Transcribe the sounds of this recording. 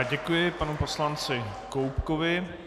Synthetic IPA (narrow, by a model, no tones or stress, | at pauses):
ɟɛkujɪpanupo̞slant͡sɪkowpkovɪ